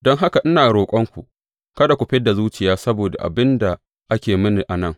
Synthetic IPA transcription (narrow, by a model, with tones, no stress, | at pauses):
dɔ˦ŋɦa˦ka˨ʔɪ˦naː˨ɽoː˨kʷʼɔ˦ŋkʷu˨ʔ | kɐ˦da˨kʷu˨ɸɪ˦da˨zuː˦t͡ʃɪ˨jaː˦sɐ˦boː˨da̰˨ʔa̰˨bɪ˦nda˨ | ʔa˦kʲeː˨mɪ˦ni˨ʔa˨nɐ˦˨ŋ